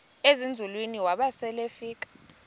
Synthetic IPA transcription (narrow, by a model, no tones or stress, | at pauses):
ezind͡zʱulwiniwaɓasɛlefiːk̬ʼḁ